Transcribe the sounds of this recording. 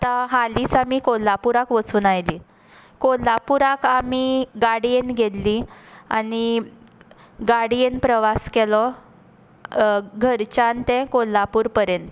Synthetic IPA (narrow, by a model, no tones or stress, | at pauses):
t̪aɦalit͡samikolːapuɾakʋət͡suːnajli | kolːapuɾakamiɡaɽijenɡʱet̪liani | ɡaɽijenpɾəʋaskelɔ | ɡʱəɾt͡ɕant̪ɛ̃kolːapuːɾpəɾjent̪